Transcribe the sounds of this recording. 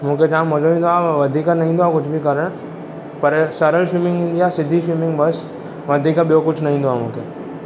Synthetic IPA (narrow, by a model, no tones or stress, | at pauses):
m̤ũked͡ʒãːməd͡ʒoĩnd̪oaʋəd̪ʱiːkanɐɦĩːnd̪oakʊt͡ʃʰbʱikəɾəɽ̃ | pəɾsəɾəlsɪmɪ̃ŋɡĩnd̪iasɪd̪ʱisimɪ̃ŋɡbəs | ʋəd̪ʱiːkaɓijokʊt͡ʃʰnəɦĩːnd̪oam̤ũːkḛ